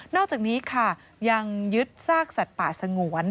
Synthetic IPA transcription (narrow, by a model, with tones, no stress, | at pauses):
nɔː˥˩k̚t͡ɕaː˨˩k̚niː˦˥kʰa˥˩ | ja˧ŋjɯ˦˥t̪̚saː˥˩k̚sa˨˩t̪̚paː˨˩t̪̚sa˧ŋu˨˩˦ən